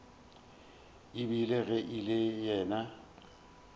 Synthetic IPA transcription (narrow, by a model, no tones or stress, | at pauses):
ibileɣɛʔilɪjɛːna